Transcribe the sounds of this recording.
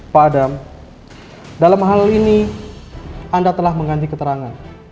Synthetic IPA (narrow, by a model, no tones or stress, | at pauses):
paːdam | dalamɦalini | andat̪əlahməŋɡaɲd͡ʒikət̪əɾaŋan